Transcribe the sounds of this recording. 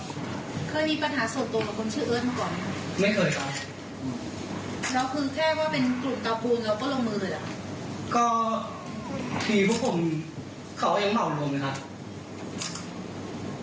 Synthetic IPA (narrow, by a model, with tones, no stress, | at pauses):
kʰɤː˧jmiː˧pa˧nɦaː˩˦su˨˩nt̪u˧ba˨˩kʰo˧nt͡ɕʰɯː˥˩˨ʔɯ˦˥˩t̪̚maː˥˩kɔː˨˩nːa˦˥ka˦˥ma˥˩jkʰɤː˧jka˧˩ | ʔː | ɾa˦˥wkʰɯː˧kʰɛː˥˩waː˥˩pe˧nklu˨˩t̪aː˧pʰuː˧nɾɛː˧wkɔː˥˩lo˧ŋmːɯː˧lɯː˧˩jʔa̰˨˩kʰa˦˥kɔː˥˩ | t̪ʰiː˧pʰuː˦˥pʰo˧m | kʰa˦wja˧ŋma˨˩wlu˧əmlaː˧˦jkʰa˦˥p̚